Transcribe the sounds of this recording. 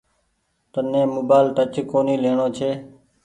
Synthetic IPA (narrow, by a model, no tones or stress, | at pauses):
t̪ənẽːmoːbaːɪlʈət͡ʃkoːniːleːɳõːt͡ʃʰeː